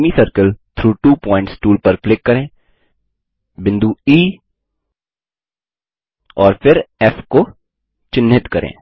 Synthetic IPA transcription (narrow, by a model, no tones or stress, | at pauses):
misəɾkəlt̪ʰɾuːʈuːpɔ̃ːɪ̃ɳʈsʈuːlpɐɾklɪkːɐɾẽː | bɪ̃nd̪uiː | ɔːɾfɪɾɛfko | t͡ʃɪnːɪt̪kɐɾʔḛ̃ː